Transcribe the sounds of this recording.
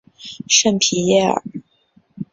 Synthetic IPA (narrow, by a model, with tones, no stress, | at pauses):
ʂə˥˧npʰi˧˥jɛ˥˩ə̰˨˩